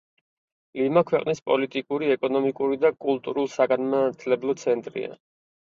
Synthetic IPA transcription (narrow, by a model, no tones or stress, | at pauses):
limakʰwɛqʼnispʼɔlit̪ʼikʼuɾiɛkʼɔnɔmikʼuɾid̪akʼulˠt̪ʼuɾulˠsaɡanmat̪ʰlɛblˠɔt̪sʰɛnt̪ʼɾḭa̰